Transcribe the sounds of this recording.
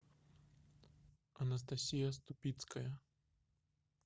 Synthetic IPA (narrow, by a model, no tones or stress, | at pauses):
ɐnɐs̬t̪asʲijɐst̪upʲit̪skɐjɐ